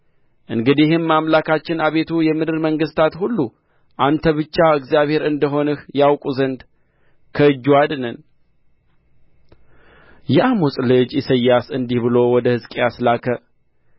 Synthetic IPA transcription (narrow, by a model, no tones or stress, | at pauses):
ʔɨŋɡɨd̪ihɨnmamlakat͡ʃːɪnaβe̞t̪ʰujɛmɨd̪ɨɾməŋɡɨst̪ʰat̪hulːu | ʔant̪ʰəβɨt͡ʃːaɨkzijaβhe̞ɾɨnd̪əɦo̞nɨhjawkʼuzənd̪ | kʰəɨd͡ʒːuad̪nən | jɛʔamusʼlɨd͡ʒɪsəjːasɨnd̪ihbɨlo̞wɔd̪əhɨzkʼeaslakʰə